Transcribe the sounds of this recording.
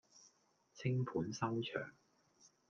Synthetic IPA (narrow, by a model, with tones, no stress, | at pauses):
t͡sʰɪ˥ŋpʰuː˨˥nsɐ˥wt͡ʃʰœ̰ː˨˩ŋ